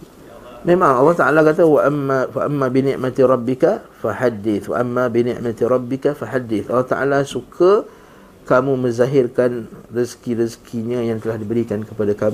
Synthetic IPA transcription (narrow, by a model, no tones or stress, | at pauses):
mẽmãŋɑlːɑht̪aʔalakat̪̬awaʔamafaʔamːabinɪ̰̃ʔmat̪iɾˤɑbːɪkafaħad̪ɪθwa̰ʔamːabinɪ̰̃ʔmat̪iɾˤɑbːɪkafaħad̪ːɪθʔɑlːɑht̪aʔa̰lasukʰa | kamũmə̃zaɦɪrkanriskiɾiskʰiɲãjaŋt̪əlahdibəɾikankəpadakamu